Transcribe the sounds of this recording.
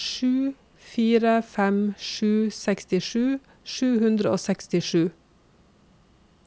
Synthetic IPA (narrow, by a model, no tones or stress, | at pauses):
ʃʉː | fiːɾəfɛmʃʉːsɛkst̪ɪʃʉː | ʃʉːhʉnd̪ɾəo̰ːsɛkst̪ɪʃʉː